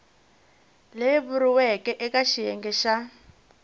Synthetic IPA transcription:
leβuɾiwɛkɛʔɛkaʃijɛ̰ŋɡɛʃa

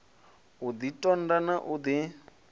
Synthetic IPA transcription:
ud̪itʼɔndanaʔud̪i

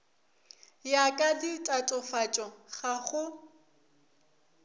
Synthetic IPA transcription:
jakʼadɪtʼatʼɔfat͡ʃʼɔχaχʊ

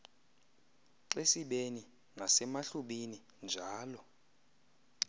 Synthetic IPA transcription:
ǀesiɓeni | ŋasɛmaɬuɓini | nd͡ʒʱaaːlɔ

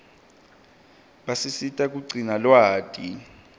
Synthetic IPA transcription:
ɓasisitʼak̬ʼuǀʱinalwaːtʼi

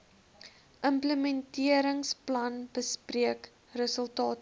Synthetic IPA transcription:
ʔəmpləmɛntiəɾəŋsplɐnbəspriək | rəsəlˠtɑːt

